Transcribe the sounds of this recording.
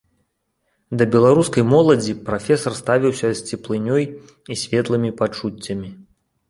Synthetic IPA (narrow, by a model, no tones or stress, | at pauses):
d̪ɐbʲɛlˠaɾuskɐjmɔlˠɐd͡zʲipɾafʲɛsɐrst̪avʲiwsʲɐsʲt͡sʲɛplˠɨnʲɔj | isʲvʲɛt̪lˠɨmʲipat͡ʂut͡sʲːɐmʲi